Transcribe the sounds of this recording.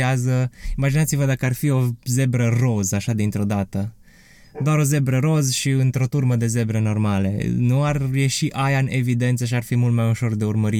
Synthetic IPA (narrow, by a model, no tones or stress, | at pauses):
azəimad͡ʒinat̪sivəd̪akəarfio̞ze̞bɾəro̞zaʃad̪int̪ɾo̞d̪at̪ə | d̪oaɾo̞ze̞bɾəɾo̞zʃiɨnt̪ɾo̞t̪urməd̪e̞ze̞bɾəno̞rmalḛnuarje̞ʃiʔajaɨne̞vid̪e̞nt̪səʃ̬iarfimult̪̚majuʃo̞rd̪e̞urməɾi